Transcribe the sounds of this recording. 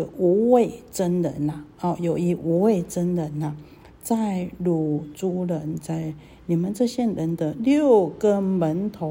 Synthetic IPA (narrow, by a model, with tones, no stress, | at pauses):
u˧˥we˥˩ɪʈ͡ʂə˥nɻə̰˨˦na˨ɔ˥˩jo˨˩ʊi˧˥ʔu˧˥we˥˩ɪt͡sə˥nlə˧˦na˨ | t͡sa˥˩ɪlu˨˩t͡su˧˥lə˧˦nt͡sa˥˩ɪ | ni˨˩mə˦nt͡sɤ˥˧ɕjɛ˥˧nɻə˧˦nd̪ə˧ljo˥˩ʊɡə˦mə˧˦nt̪ʰo˨˧˦